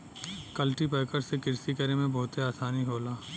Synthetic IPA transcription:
kɐlʈipɛːkəɾsekɪɾsikɐɾemẽbɔɦːt̪eaːsaːniɦoːlaː

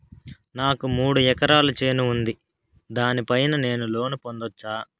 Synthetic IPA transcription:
naːkumuːɽuɛkɐɾaːlut͡ʃe̞ːnuund̪i | d̪aːnipɐjnɐne̞ːnulo̞ːnupond̪ɔt͡ʃːaː

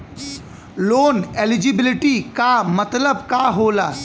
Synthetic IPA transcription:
loːnelɪd͡ʒibɪlɪʈikamət̪ləbkaɦolaː

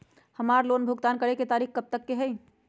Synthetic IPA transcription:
həmaɾlonbʱuɡt̪ankəɾeket̪aɾikkəp̚t̪əkːeɦəj

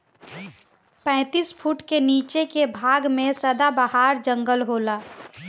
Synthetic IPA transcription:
pɛ̃ːt̪iːspʰuʈkeniːt͡ʃekebʱaːɡmẽsəd̪abəɦaːɾd͡ʒə̃ŋɡəlɦoːlaː

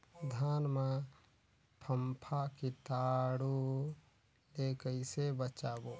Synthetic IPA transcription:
d̪ʱaːnmã | pʰəmpʰakit̪aːɽu | lekəisebət͡ʃaːbo

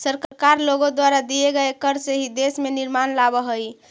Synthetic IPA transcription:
səɾkɾkaɾloɡod̪waɾad̪ieɡəekəɾseɦid̪esmeniɾmanlabəɦəj

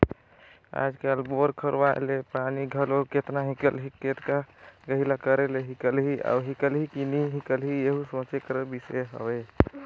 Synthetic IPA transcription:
a̰d͡ʒkelboɾkʰəɾʋa̰lepaniɡʱəloket̪naɦĩkəlɦiket̪kaɡəɦilakəɾeleɦikəlɦiʔa̰wɦikəlɦikiniɦikəlɦieɦusõt͡ʃekəɾəbiseɦə̰bɛ

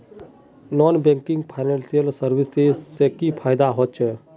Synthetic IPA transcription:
nɔːnbẽŋkɪ̃ŋɡpʰaɪnẽːnsijəlsəɾʋɪsezːekipʰaːjd̪aɦot͡ʃ

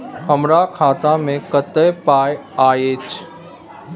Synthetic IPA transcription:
xɐmɾakʰaːt̪amẽkɐt̪əjpaːjaːeːt͡ʃʰ

